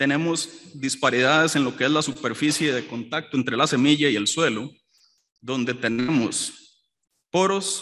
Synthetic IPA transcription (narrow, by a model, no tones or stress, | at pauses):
t̪e̞ne̞mo̞zd̪ispaɾiðaðe̞se̞nlo̞kee̞zlasupe̞ɾfisje̞ðeko̞nt̪ak̚t̪oe̞nt̪ɾe̞lase̞miʝaie̞lswe̞lo | ðo̞nd̪e̞t̪e̞nemo̞̰s | po̞ɾo̞s